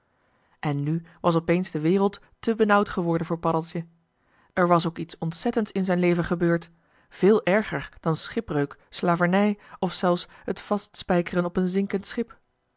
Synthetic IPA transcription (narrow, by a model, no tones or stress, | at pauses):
ʔɛnːyʋɑs̬ɔpejnzdəʋɪːrəlˠt | təbənʌwtχəʋɔɹdənvʊːɹpɑdəlˠtjə | ɛɹʋɑs̬owkitsɔntsɛtəntsɪnzɛjnlejvənχəbøːɹt | v̥ɪːlˠʔɛɹχəɹd̥ɑnsχɪprøɥkslaːvəɹnɛjɔfsɛlˠfsɦətfɑstspɛjkərənɔpənzɪŋkəntsχɪp